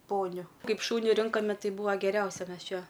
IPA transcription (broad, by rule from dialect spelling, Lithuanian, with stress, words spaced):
ˈpoːnʲʊ ˈkɐɪp ˈʃuːnʲɪ ˈrʲɪŋkoːmʲɛ ˈtɐɪ ˈbuːɐ ɡʲɛˈrʲɛʊsʲɛ ˈmʲɛs ˈt͡ʃʲɛ